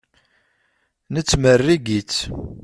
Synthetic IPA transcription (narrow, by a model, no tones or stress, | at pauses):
nət͡sːmərːiɡit͡sː